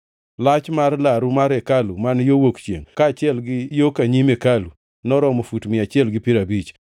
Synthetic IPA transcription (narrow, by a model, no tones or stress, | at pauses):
lat͡ʃmarlaɾumaɾekalumanjowokt͡ʃḛŋkaːt͡ʃɪɛlɡɪjokaɲimekalu | nɔɾɔmofutmɪat͡ʃɪɛlɡɪpiɾabit͡ʃ